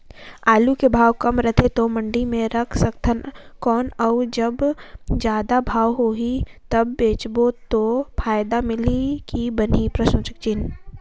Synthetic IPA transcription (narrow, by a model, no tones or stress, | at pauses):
aːlukebʱaːwkɐmɾət̪ʰet̪omə̃ɳɖimẽɾɐkʰsɐkt̪ʰənkɔːnəud͡ʒɐbd͡ʒjaːd̪abʱaːwɦoːɦit̪ɐbːeːt͡ʃbot̪opʰaːjd̪amɪlikibənipɾɐʃõt͡ʃək̚t͡ʃɪn